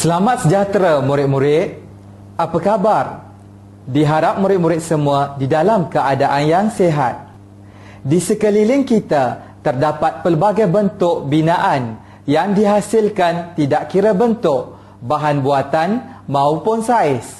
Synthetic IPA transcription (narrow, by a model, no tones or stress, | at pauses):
səlamat̪̚səd͡ʒat̪ɾamũɾɪt̪̚muɾɪt̪̚ | apəkabar | diɦaɾap̚muɾɪt̪̚mũɾɪt̪̚səmũadidalamkəadaʔanjaŋseɦat̪̚ | disəkəlilɪŋkit̪a | t̪ərdapat̪̚pəlbaɡajbənt̪ʊk̚binãʔan | jaŋdiɦasɪlkant̪idaʔkiɾəbənt̪ʊʔ | baɦanbuat̪anmãupʊnsaɪs